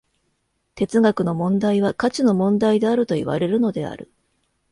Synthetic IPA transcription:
t̪e̞t͡sɨɡakɯ̟no̞mõ̞nd̪aiβ̞akat͡ɕino̞mõ̞nd̪aid̪e̞aɾɯ̟t̪o̞ḭβa̰ɾe̞ɾɯ̟no̞d̪e̞a̰ɾɯ̟̰

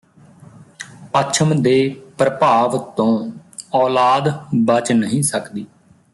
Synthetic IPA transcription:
pət͡ʃʰəmd̪eːpɾəpaːʋtt̪õːɔːlaːd̪bət͡ʃnəɦĩːsəkd̪iː

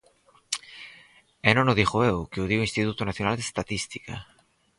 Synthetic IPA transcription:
ɛnõnoðiχoewkeuðioĩnst̪it̪ut̪onaθjonald̪est̪at̪ist̪i̥ka̰

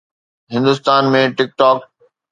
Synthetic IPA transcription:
ɦɪ̃nd̪ʊst̪aːnmẽʈɪk̚ʈɔːk

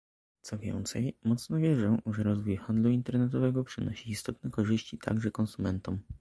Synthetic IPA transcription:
t̪sɔvʲjɛ̰nt̪sɛjmɔt̪snɔvʲjɛʐɔ̃w̃ʐɛɾɔzvujxand̪luint̪ɛɾnɛt̪ɔvɛɡɔpʂɘnɔɕiːst̪ɔt̪nɛkɔʐɘɕt͡ɕit̪ʰa̰ɡʐɛkɔnsumɛnt̪ɔm

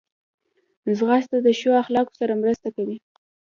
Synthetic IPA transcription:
zɣast̪ad̪əʃoaxlɑko̥saɾamɾəst̪akawi

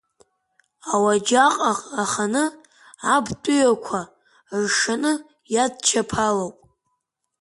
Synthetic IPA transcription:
awad͡ʒaqʼaqʼaχanɨ | abtʼʊjakʷʰa | rʂanɨ | jad̚t͡ʃʰapʰalowpʼ

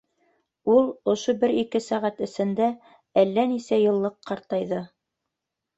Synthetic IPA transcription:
ulˠŏʃobɘɾikɘsæʁæt̪ɘ̆sɘ̆nd̪æ | ælːænisæjɤ̆lˠːɤqːɑɾt̪ɑjðɤ

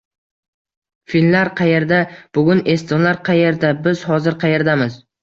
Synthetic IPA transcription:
filmlaɾqʰɑje̞ɾd̪ab̥ʊɡʲʊnest̪ɪlaɾqʰɑje̞ɾd̪abɪz̥hɒzɪɾqʰɑje̞ɾd̪amɪz̥

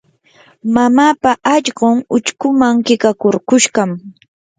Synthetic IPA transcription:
mamaːpaʔaʎɢoŋʊt͡ʃkʊmaŋkɪkakoɾkʊʃɢɑm

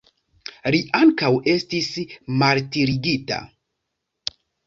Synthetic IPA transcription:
liʔaŋkawe̞stismaltiɾiɡita̰

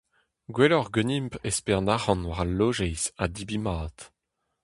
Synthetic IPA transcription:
ɡwelɔʁɡønimpespɛʁnaʁɑ̃nwaʁalːoʒɛjzad̪ibimaːt̪

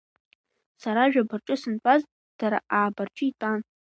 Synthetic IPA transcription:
saɾaʒᶣabarʈ͡ʂʼʊsɨnpʼaz | d̥aɾaʔaːbart͡ʃʼɪitʼan

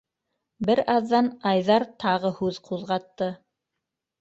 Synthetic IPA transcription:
bɘɾɑðːɑnɑjðɑɾt̪ʰɑʁɤhʉðqʰuðʁɑt̪ːɤ

